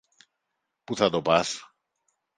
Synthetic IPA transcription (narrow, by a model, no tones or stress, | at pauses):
puθad̪opas